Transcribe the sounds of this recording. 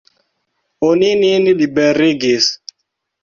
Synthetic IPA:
onininiɗiɓɛɾeɡes

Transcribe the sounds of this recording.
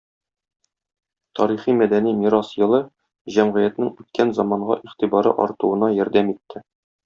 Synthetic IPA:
t̪ʰɒɾiχimæd̪ænimiɾɑsjɤ̆lˠɤ | ʑæmʁɘ̆jæt̪nɘŋʉt̪̚kænzɑmɑɴɢɑ̰ʔiχt̪ibɑɾɤ̰ʔɒ̰ɾt̪uɤ̆nɑjɒɾd̪æmit̪ʰːɘ

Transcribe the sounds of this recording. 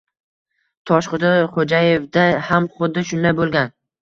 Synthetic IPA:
t̪ʰɒʃχʊd̪ɪχod͡ʒajefd̪ahamχʊd̪ːɪʃʊnd̪ajbolˠɡʲan

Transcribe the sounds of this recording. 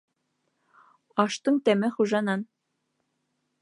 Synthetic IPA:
ɑʃt̪ɤ̆ŋt̪æmɘχuʒɑnɑn

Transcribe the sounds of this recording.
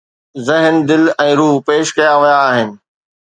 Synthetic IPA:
zɪɦnd̪ɪlɛ̃ːɾuːɦpeːʃkɐjaʋɐjaːɦɪnɪ̆

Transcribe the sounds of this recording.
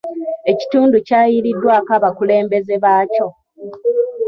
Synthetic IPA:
e̞ci̥tuːnducaːjiɾidːwaːkaβakule̞ːmbe̞ze̞βaːco̞

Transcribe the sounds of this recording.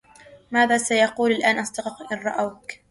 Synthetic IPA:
maːðaːsajɑquːlalʔaːnʔɑst̪ɑqɑqʔɪnɾˤɑʔawk

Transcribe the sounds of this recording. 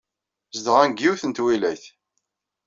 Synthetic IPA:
zəd̪əʁænɡːiwθənt̪wilæjθ

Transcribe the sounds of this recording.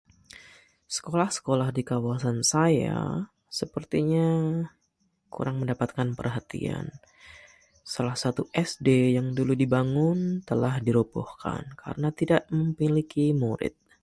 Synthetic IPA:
sə̥kolahsə̥kolahdikawasansaja̰ | səpərt̪iɲa | kṵɾʔaŋməndapat̪̚kanpə̰rɦat̪ḭa̰n | salahsat̪uʔɛsdejaŋduludibaŋʊnt̪əlahdiɾobɔ̰hka̰nka̰ɾənat̪idaʔməmpilikimuɾɪ̰t̪̚

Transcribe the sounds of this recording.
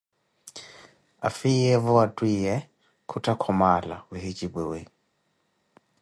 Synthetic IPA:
a̰fiɛβɔatʼwiɛ | kʰutʰʼakʰɔmala̰wehit͡ʃʼiɓewe

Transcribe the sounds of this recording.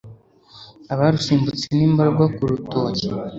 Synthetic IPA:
aβaɾusiːmbut͡seniːmbaɾɡwakuɾuto̞ːce

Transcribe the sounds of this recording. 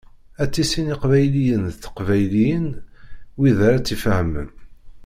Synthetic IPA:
æt͡sːisiniqvæjlijənðθə̥qvæjlijən | wiðɾat͡sːifəhmə̰n

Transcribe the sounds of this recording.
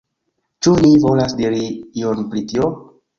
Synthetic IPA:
t͡ʃunivo̞lasdiɾiionpɾitio

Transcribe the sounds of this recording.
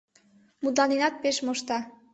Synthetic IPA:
mud̪lɑninɑt̪̚peʃmoʃt̪ɑ

